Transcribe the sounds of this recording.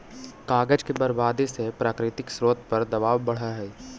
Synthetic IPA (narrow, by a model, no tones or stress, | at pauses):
kaːɡəd͡ʒkebɐɾbaːd̪isepɾaːkɾɪt̪ɪksɾoːt̪ʰpɐɾd̪ɐbaːʋbɐɽ̤aɦɛː